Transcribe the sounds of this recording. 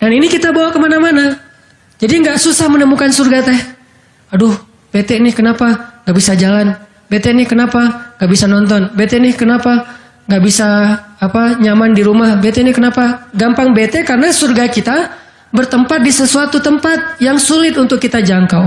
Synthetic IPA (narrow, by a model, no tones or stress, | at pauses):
daninikit̪abawakəmanamana | d͡ʒadiŋɡaʔsusahmənəmukansurɡat̪ɛh | adʊh | b̥et̪ɛʔnɪhkənapaŋɡaʔbisad͡ʒalan | bet̪ɛnɪhkənapaŋɡaʔbisanɔnt̪̬ɔnbet̪ɛnɪhkənapa | ŋɡaʔbisaːpaɲamandiɾumahbɛt̪ɛnɪhkənapaɡampaŋbet̪ɛkarnasurɡakit̪a | bərt̪əmpat̪̚disəsuat̪ut̪əmpat̪̚jaŋsulɪt̪unt̪ʊkːit̪ad͡ʒaŋka